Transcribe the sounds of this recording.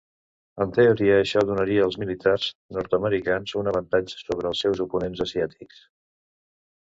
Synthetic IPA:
ənt̪əuɾiəːʃɔðunəɾiəːlˠzmilit̪arz̥nɔɾt̪əməɾikanzunəβənt̪ad͡ʒə̥soβ̞ɾəːlˠsɛwzupunenzəziat̪ʰiks

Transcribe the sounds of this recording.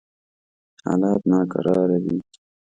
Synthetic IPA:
hɑ̰ːlɑːt̪nɑːka̰ɾʔɑːɾawi

